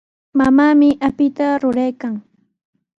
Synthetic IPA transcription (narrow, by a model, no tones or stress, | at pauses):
mamaːmɪʔapɪt̪aɾʊɾajkaŋ